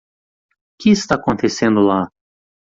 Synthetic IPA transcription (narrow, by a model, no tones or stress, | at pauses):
kʲɪst̪akõnt̪esẽnd̪ʊla